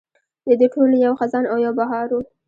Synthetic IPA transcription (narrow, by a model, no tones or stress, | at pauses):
d̪əd̪eʈʰolojawxazɑnawjawbaɦɑɾu